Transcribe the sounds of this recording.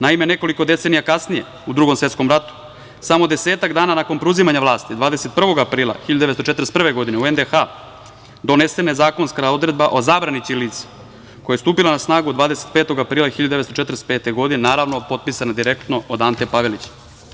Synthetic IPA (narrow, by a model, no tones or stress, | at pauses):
naime̞ne̞ko̞liko̞d̪eseːnijakasnije | ud̪ɾuːɡomsʋe̞t̪sko̞mɾat̪u̥ | samod̪ese̞ːt̪aɡd̪aːnanako̞npɾeuzimaɲaʋlˠaːst̪id̪vʋaːd̪e̞set̪̚pr̩ʋo̞ɡapɾiːlˠa̰xiʎad̪ud̪eest̪t͡ʃeɾespr̩ʋeɡo̞d̪ineuend̪exa | d̪o̞ne̞senaezaːko̞nskaod̪ɾe̞d̪baʔo̞zaːbɾaniiliːt̪se̥ | kojast̪uːpilanasnaːɡuod̪vʋaːd̪eset̪̚peːt̪o̞ɡapɾiːlˠaxiʎad̪ud̪eest̪ot͡ʃet̪ɾspe̞ːt̪eɡo̞d̪inenaːɾaːʋnopo̞t̪̚pisanad̪iɾekt̪no̞od̪ant̪epaʋelit͡ɕḁ